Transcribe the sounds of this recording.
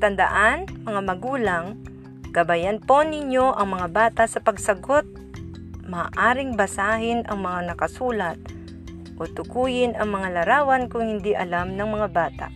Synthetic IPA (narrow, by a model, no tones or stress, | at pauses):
t̪ɐnd̪ɐ̰ʔanmɐŋamɐɡuːlaŋ | kɐbajanpo̞nɪɲjo̞ʔɐŋmɐŋabaːt̪asɐpɐɡsɐɡot̪̚ | mɐːʔaːɾɪŋbɐsaːɦɪnʔɐŋmɐŋanɐkɐsuːlɐt̪̚ | ʔot̪ʊkuːjɪnɐŋmɐŋalɐɾaːwɐnkʊŋhɪnd̪iʔɐlamnɐŋmɐŋabaːt̪a̰